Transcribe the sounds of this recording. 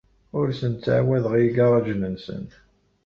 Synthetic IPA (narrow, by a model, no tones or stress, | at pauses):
ʊɾsənt̪t͡sːə̰ʕwæðʁiɡɑɾˤɑʒnənsə̰n